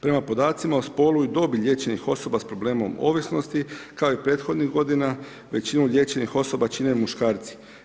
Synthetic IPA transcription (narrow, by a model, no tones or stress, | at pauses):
pɾe̞mapo̞d̪aːt̪simaospo̞luid̪o̞biʎʲje̞t͡ɕe̞nixo̞so̞baspɾo̞ble̞ːmo̞̰mo̞̰ːʋisno̞st̪ikao̞ipɾe̞ːt̪xo̞d̪niɣɡo̞d̪ina | ʋe̞t͡ɕinuʎʲje̞ːt͡ʃe̞nixo̞so̞bat͡ʃinemuʃkaːɾt̪si̥